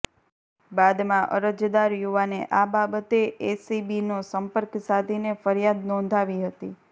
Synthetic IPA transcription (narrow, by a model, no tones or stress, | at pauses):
bad̪mãʔə̰ɾəd͡ʒd̪aɾjuʋanḛʔababət̪eesibinosəmpəɾksad̪ʱinefəɾjad̪nɔ̃nd̪ʱaʋiɦət̪i